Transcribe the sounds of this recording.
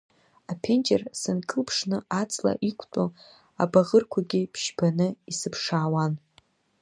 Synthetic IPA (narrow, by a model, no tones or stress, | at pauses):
apʰe̞nd͡ʒersɨnkʼɨlpʰʂnɨat͡sʼla̰ʔikʷʰʼtʼo | a̰baʁərkʷʰaɡʲɪpʰʃbanɨisɨpʰʂaːwan